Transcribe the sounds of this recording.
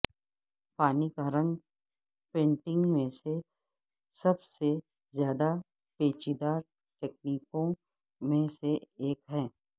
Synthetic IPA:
paːnikaɾə̃ŋɡ | pẽːɳʈɪ̃ŋɡmẽse | sɐbse | zjaːd̪a | peːt͡ʃid̪aːɾ | ʈeːk̚niːkõ | mẽseeːkɦɛ̃ː

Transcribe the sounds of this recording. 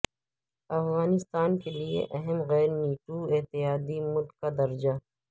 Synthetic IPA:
ɐfɣaːnɪst̪aːnkeliḛʔɐɦəmɣɛːɾniːʈuɪɦt̪ɪjaːd̪imʊlɡkad̪ɐɾd͡ʒa

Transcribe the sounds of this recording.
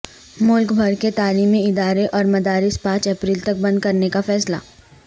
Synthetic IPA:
mʊlkbʱɐɾket̪aːliːmiɪd̪aːɾeʔɔːɾmɐd̪aːɾɪspãːt͡ʃɛːpɾiːlt̪ɐk̚bɐ̃nd̪̚kɐɾnekafɛːsla̰ː

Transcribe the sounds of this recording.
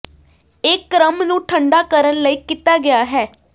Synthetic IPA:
ɪkːɾəmnũːʈʰəɳɖaːkəɾənləiːkɪt̪aːɡɪjaːɦɛː

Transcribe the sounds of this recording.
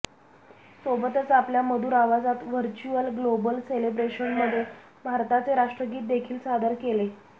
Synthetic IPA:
sobət̪ət͡sapljaməd̪ʱuːɾaʋad͡zat̪ʋəɾt͡ɕuəlɡlobəlselebɾeɕənməd̪ʱːje | bʱaɾt̪at͡seɾaʂʈɾəɡiːt̪̚d̪ekʰiːlsad̪ʱəɾkele

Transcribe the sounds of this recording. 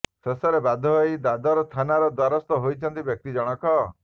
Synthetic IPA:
sesɔɾebad̪ʱɔɦojd̪ad̪aɾɔst̪ʰanaɾɔd̪waɾɔst̪ɔɦojt͡ʃʰɔnt̪ibjɔk̚t̪id͡ʒɔɽ̃ɔkɔ

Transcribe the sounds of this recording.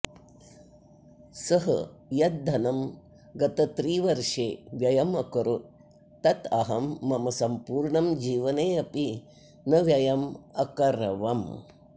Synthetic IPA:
sɐɦɐ̰jɐt̪̚d̪ɐnɐm | ɡɐt̪ɐt̪ɾiːʋɐɾʂeːʋjɐjɐmɐkɐɾu | t̪ɐt̪ɐɦɐmːɐmɐsɐmpuːɾɳɐmd͡ʒiːʋɐneːɐpi | nɐʋjɐjɐmɐkɐɾɐʋɐm

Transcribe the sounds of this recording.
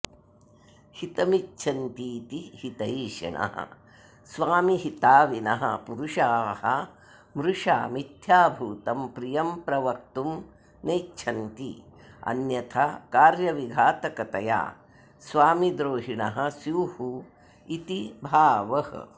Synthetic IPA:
hit̪ɐmit͡ʃːʃʰɐnt̪iːt̪ihit̪ɐiːʃɐ̰ɳɐ̰ɦɐ̰ | sʋaːmiɦit̪aːʋinɐ̰ɦɐ̰puɾuʃaːhɐ | mɾuʂa̰ːmit̪ʰjaːbʱuːt̪ɐmpɾijɐmpɾɐʋɐkt̪um | neːtːt͡ʃʰɐnt̪ḭ | ɐ̰njɐt̪ʰɐkaːɾjɐʋiɡʱaːt̪ɐkɐt̪ɐja̰ː | sʋaːmid̪ɾoːɦiɳɐɦɐ̆sjuːhu | it̪ibʱaːʋɐhɐ̰

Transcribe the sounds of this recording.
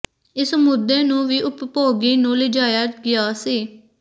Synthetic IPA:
ɪsmʊd̪eːnũːʋiːʔʊppoːɡiːnũːlɪd͡ʒaːjaːɡɪjaːsiː

